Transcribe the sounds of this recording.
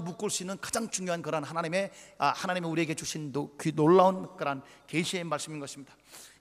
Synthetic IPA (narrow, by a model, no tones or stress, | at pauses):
muk͈oɭs͈inɯnkḁd͡ʑaŋt͡ɕuŋjoɦankɯɾanɦanaɲime̞ahanaɲimeuɾie̞ɡet͡ɕuɕʰinokinoɭːaonkɯɾan | keɕʰiemaɭs͈ɯminɡʌɕʰimɲid̥ḁ